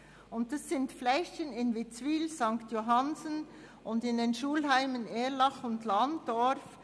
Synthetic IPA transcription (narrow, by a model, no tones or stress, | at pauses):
ʊnt̚d̥ɑsːɪntflɛçənɪnvɪt͡sviːlzɑŋktjoɦɑnzən | ʔʊndɪndenʃuːlɦaɪməneːlɑχʊntlɑnd̥ɔɾf